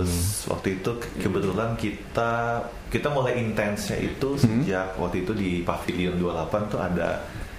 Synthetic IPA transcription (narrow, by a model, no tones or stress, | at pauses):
swa̰k̚t̪uit̪ukəbət̪ulankit̪a | kit̪amulajint̪ɛnsɲa̰ʔḭt̪usəd͡ʒak̚wa̰k̚t̪uit̪udipafiliʊndualapant̪ua̰da̰